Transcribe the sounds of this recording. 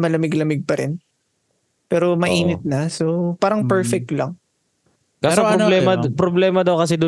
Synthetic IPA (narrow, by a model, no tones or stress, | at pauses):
mɐlɐmɪɡlɐmɪɡ̚pɐɾɪn | pɛːɾomɐʔiːnɪt̪̚nɐsopaːɾɐŋpɛɹfɛk̚t̪lɐŋ | kasɾblɛmɐpɾoblɛːmɐd̪ɐwkɐs̬ɛd̪o